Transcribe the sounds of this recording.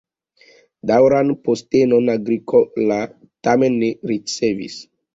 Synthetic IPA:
dawɾanpostenonaɡɾikola | tamenːeɾit͡sevḭs

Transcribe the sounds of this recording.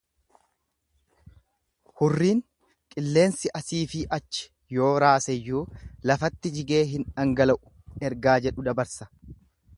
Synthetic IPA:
hʊrːiːŋ | kʼɪlːe̞ːnsɪʔɐsiːfɪʔɐt͡ʃːɪ̥ | jo̞ːɾaːsɛjːuːlɐfɐt̪ːɪd͡ʒɪɡe̞ːɦɪnᶑɐŋɡɐlɐʔʊ̥ | ɛɾɡaːd͡ʒɛᶑʊd̪ɐbɐɾsɐ̥

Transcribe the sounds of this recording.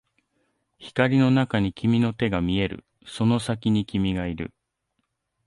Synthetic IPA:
çi̥kaɾʲino̞nakaɲ̟ikʲimʲino̞t̪e̞ɡamʲie̞ɾɯ̰ | so̞no̞sakʲiɲ̟ikʲimʲiɡaiɾɯ̟̰

